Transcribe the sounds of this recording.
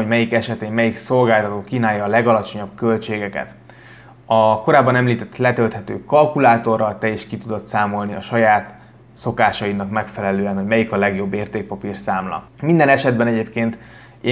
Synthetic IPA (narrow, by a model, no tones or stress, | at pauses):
omɛjikɛʃɛt̪eːmːɛjikso̞lɡaːlt̪ɒt̪oːkiːnaːjːɒːlɛɡɒlɒt͡ʃo̞ɲɒbkø̞lt͡ʃeːɡɛkɛ̰t̪ | ɒkoɾaːbːɒnɛmliːt̪ɛt̪ːlɛt̪ølt̪hɛt̪ø̰ːkɒlkulaːt̪o̞rːɒlt̪ɛeːʃkit̪ud̪o̞t̪saːmo̞lniɒʃɒjaːt̪ | so̞kaːʃɒinɒkmɛkfɛlɛløːɛnɦo̞ɟmɛjikɒlɛɡjo̞bːeːrt̪eːk̚pɒpirsaːmlɒ̰ | mind̪ɛnɛʃɛd̪bɛnɛɟeːpkeːnt̪ | e